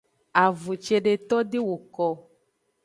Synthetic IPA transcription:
a˨vu˨t͡ʃe˨ɖe˨t̪ɔ˦ɖe˦wo˨kɔ˦

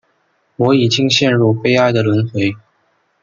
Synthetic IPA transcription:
wɔ˧˥i˨˩t͡ɕi˥ŋɕjɛ˥˧nɻu˥˩pe˥ɪa˥˧ɪd̪ə˨lwə˧˥nxwe˧˥ɪ

